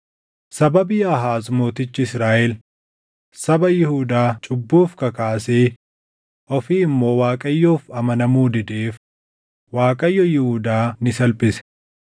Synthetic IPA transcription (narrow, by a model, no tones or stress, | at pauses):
sɐbɐbiːɐɦaːzmoːt̪ɪt͡ʃːɪɪsɾaːʔɛl | sɐbɐjɪhuːd̪aːt͡ʃʼʊbːuːfkɐkaːseː | ʔɔfiːɪmːo̞ːwaːkʼɐjːoːfɐmɐnɐmuːd̪ɪd̪eːf | waːkʼɐjːɔjɪhuːd̪aːnɪsɐlpʼɪsɛ̥